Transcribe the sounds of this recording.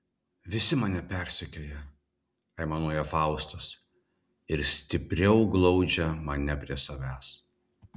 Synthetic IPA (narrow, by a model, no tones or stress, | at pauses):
ʋʲɪsʲɪmɐnʲɛpʲæˑɾʲsʲɪkʲojɛ | ɐɪmɐnuːjɛfɑˑʊst̪ɐs | ɪɾsʲt̪ʲɪpʲɾʲɛʊɡlˠɒʊd͡ʒʲɛmɐnʲɛpʲɾʲiɛsɐʋʲæːs